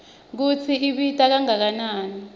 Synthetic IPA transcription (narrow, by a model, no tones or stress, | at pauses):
k̬ut͡sʰiiɓitʼak̬aŋak̬anaːni